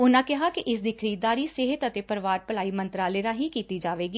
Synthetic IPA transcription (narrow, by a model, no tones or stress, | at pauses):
ʊnãːkɪɦakiʔɪs̬d̪ɪkʰɾiːd̪aːɾiːseːɦɪt̪ət̪epəɾʋaːɾpəl̤aːiːmə̃nt̪ɾaːleːɾãːɦikiːt̪iːd͡ʒaːʋeːɡiː